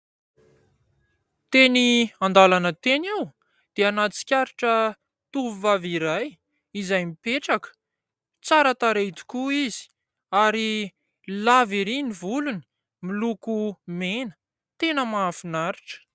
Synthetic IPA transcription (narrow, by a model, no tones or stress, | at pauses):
t̪eniand̪alanət̪enew | d̪̥eanat͡si̥kʲaɾiʈ͡ʂə | t̪uvuvaviɾaj | izajmipeʈ͡ʂakə̥ | t͡saɾat̪aɾet̪i̥kuizi̥ | aɾi | laviɾinivuluni̥ | milukumenə̥ | t̪enəmaafinaɾiʈ͡ʂə̥